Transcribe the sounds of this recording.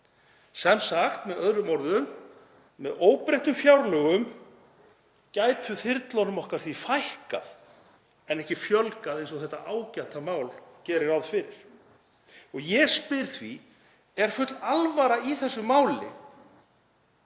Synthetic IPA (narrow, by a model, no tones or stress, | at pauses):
sɛmsaxt̪mɛðœðɾʏmɔɾðʏmː | ɛðoːwpɾejht̪ʏmfjawɾlœɣʏm | caːjt̪ʏθɪɾt̪lownʏmɔhkaɾ̥θvifajhka̰ð | ɛnɛhcɪfjœlkaðejnsɔθɛht̪ːa̰ʔaːwcat̪amaːwlcɛːɾɪɾawðfɪɾɪɾ̥ | ɔɣjɛspɪɾ̥θvi | ɛɾ̥fʏt̪lalvaɾaiθɛsːʏmaːwlɪ̰